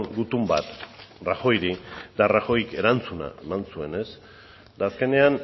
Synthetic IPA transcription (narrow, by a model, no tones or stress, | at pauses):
ŋɡut̪umbat̪raxo̞jɾit̪araxo̞jke̞ɾant͡suna̰emansue̞ne̞s | d̪aːske̞ne̞an